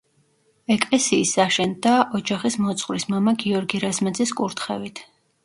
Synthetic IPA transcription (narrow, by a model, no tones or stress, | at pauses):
ɛkʼlɛsiːsːaʃɛnd̪aʔɔd͡ʒaχismɔt̪sʼχʼwɾismamaɡiɔɾɡiɾazmad̪ziskʼuɾt̪ʰχɛ̰vit̪ʰ